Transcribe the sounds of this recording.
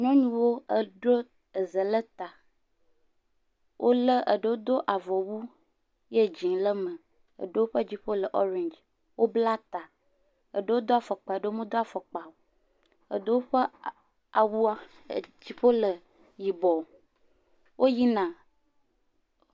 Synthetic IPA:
ɲɔ̃˦ɲũ˦wo˦ə˨ɖɾo˦ | ə˨zə˨lə˦t̪a˨ | wʔo˦lə˦ʔə˨ɖə˦wo˦d̪o˦ʔa˨vɔ˨wu˦ | je˦d͡ʑi˨ŋlə˦mə̃˨ | ə̰˨ɖə˦wo˦ɸə˦d͡ʑi˦ɸo˦lə˨ʔɔ˦ɾẽ˨nd͡ʒ | wʔo˦bla˦t̪a˨ | ə˨ɖə˦wo˦d̪o˦a˨fə˨k͡pa˨e˨ɖə˦o˦mẽ˦d̪o˦a˨fə˨k͡pa˨wo˨ | ə̰˨d̪ə˦wo˦ɸə˦ | a˨wu˦a˦˨ | d͡ʑi˦ɸo˦lə˨ | ji˨bɔ˨ | wʔo˦ji˦nã˨

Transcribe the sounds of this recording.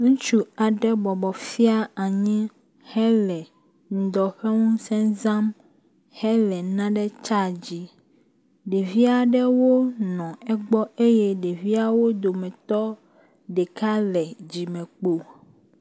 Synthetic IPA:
ŋũ˦t͡ʃu˦a˨ɖɛ˦bɔ˨bɔ˨fi˦a˦a˨ɲĩ˦ | hɛ˦lɛ˨ | ŋ̩˨d̪ɔ˨ɸɛ˦ŋũ˦sɛ̃˦zã˦m | hɛ˦lɛ˨nã˦ɖɛ˦t͡ʃa˦d͡ʑi˦ | ɖe˨vi˦a˨ɖɛ˦wo˦nɔ̃˨ɛ˦ɡ͡bɔ˦e˦jɛ˦ɖe˨vi˦a˦wo˦d̪o˨mɛ̃˨t̪ɔ˦ | ɖɛ˨ka˦lɛ˨d͡ʑi˨mɛ̃˨k͡po˦

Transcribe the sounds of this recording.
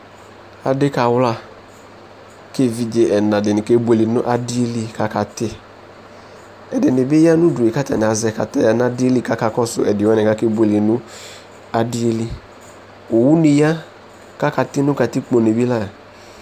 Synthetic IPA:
a̰˨dɪ˦ka˨wla˦ | ke˦vi˨d͡ʒe˨ʔɛ˨na˨dɪ˨nɪ˨ke˦bu˦e˨li˨nʊ̰˦ʔa˦dɪ˦e˦li˧ka˨ka˨tɪ˦ | ɛ˨dɪ˨nɪ˨bɪ˦ja˦nu˦du˨e˨ka˦tɛ̰˨nɪ˨a˨zɛ˨ka̰˨tɛ˦ja˨na˦dɪ˦e˦li˦ka˦ka˨kɔ˦sʊ̰˨ɛ˨dɪ˨wɛ˦nɛ˨a˦ke˦bʷe˨li˨nʊ˦ | a˨dɪ˦e˦li˦ | u˨wu˦ni˨ja˦ | ka˦ka˨tɪ˦nʊ˦ka˨tɪ˦k͡po˨ne˨bi˦la˦˨

